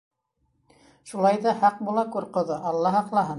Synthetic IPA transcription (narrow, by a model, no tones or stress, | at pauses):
ʃulˠɑjðɑhɑq̚bulˠɑkuɾqɤ̆ðɤʔɑlˠːɑɦɑqlˠɑɦɤm